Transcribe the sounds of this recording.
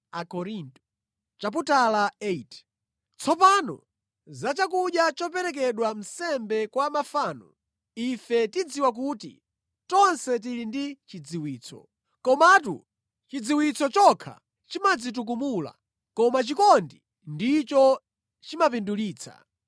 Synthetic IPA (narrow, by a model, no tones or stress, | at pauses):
akɔɾintɔ̥ | t͡ʃap̬utalaet | t͡sʰɔpanɔ̰ | zat͡ʃakuɗjat͡ʃɔpɛɾɛk̬ɛɗwam̩sɛmbɛkwamafaːnɔ̰ | ifɛtid͡ziwak̬uːtḭ | tɔnsɛt̬iɾindit͡ʃid͡ziwiːt͡sʰɔ̰ | kɔmatṵ | t͡ʃid͡ziwit͡sʰɔt͡ʃɔkʰa̰ | t͡ʃimad͡zit̬uk̬umula̰ | kɔmat͡ʃikɔndi | ndit͡ʃɔ | t͡ʃimapinduliːt͡sʰa̰